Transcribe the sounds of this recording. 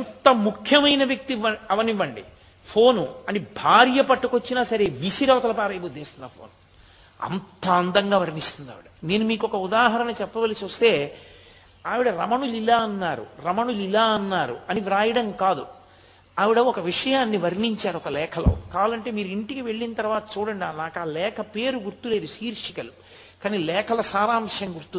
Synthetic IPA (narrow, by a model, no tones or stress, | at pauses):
ɐnt̪ɐmukʰjɐmɐjnɐʋjɐk̚t̪iɐɐʋɐniʋɐɳɖḭ | pʰo̞ːnuɐnibʱaːɾjɐpɐʈːukot͡ʃːinaːsɐɾe̞ːʋisiɾɐːt̪ɐlɐpaːɾɐjbud̪ʱːeːst̪unːɐpʰo̰ːn | ɐ̰nt̪ɐɐnd̪ɐŋɡaːʋɐɾnist̪und̪a̰ːʋiɽɐne̞ːnumiːkɔkɐud̪aːɦɐɾɐnɐt͡ʃɛpːɐʋɐlisuɐst̪e̞ː | aːʋiɽɐɾɐmɐɳulilaːɐnːaːɾṵɾɐmɐɳulilaːɐnːaːɾṵɐniʋɾaːjɐɽɐŋkaːd̪u | aːʋiɽɐɔkɐʋiʂɐjaːnːiʋɐɾniɲt͡ʃaːɾuɔkɐlɛːkʰɐlɐ̰wkaːlɐɳʈe̞ːmiːɾuiɳʈikiʋe̞ɭːinɐt̪ɐɾʋaːt̪ɐ̥t͡ʃuːɽɐɳɖaːnaːkaːlɛːkʰɐpe̞ːɾuɡuɾt̪ule̞ːd̪uʃiːɾʂikɐlu | kaːniːlɛːkʰɐlɐsaːɾaːmʂɐŋɡuɾt̪u